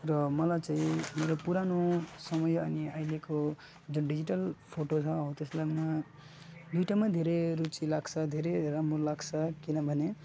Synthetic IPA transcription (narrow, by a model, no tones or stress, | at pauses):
rʌmʌlajt͡saĩmeɾopuɾanosʌmʌjʌniajleko | d͡zonɖid͡ziʈʌlpʰoʈot͡sʰʌõt̪eslana | d̪ujʈamad̪ʱeɾeɾut͡silaɡt͡sʰʌd̪ʱeɾeɾamolaɡt͡sʰʌkinʌbʱʌne